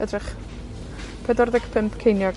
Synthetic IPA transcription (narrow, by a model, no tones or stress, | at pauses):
ədrɪχ | pʰɛdɔrðɛɡ̥pʰɪmpkʰejnjɔ